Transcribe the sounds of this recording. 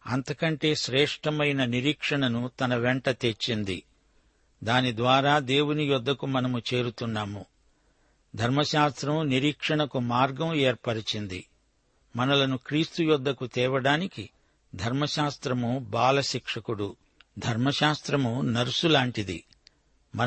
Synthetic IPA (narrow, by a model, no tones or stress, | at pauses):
ɐ̰nt̪ɐkɐɳʈe̞ːʃɾɛːʂʈɐmɐjnɐniɾiːkʂɐɳɐnut̪ɐnɐʋeɳʈɐt̪et͡ʃːind̪i | d̪aːnid̪ʋaːɾaːd̪e̞ːwunijɔd̪ʱːɐkumɐnɐmut͡ʃe̞ːɾut̪unːaːmu | d̪ʱɐɾmɐʃaːst̪ɾɐmniɾiːkʂɐɳɐkumaːɾɡɐmɛːɾpɐɽit͡ʃind̪ḭ | mɐnɐlɐnukɾiːst̪ujɔd̪ʱːɐkut̪ɛːʋɐɽaːniki | d̪ʱɐɾmɐʃaːst̪ɾɐmubaːlɐʃikʂɐkuɽu | d̪ʱɐɾmɐʃaːst̪ɾɐmunɐɾusulaːɳʈid̪ḭ | mɐ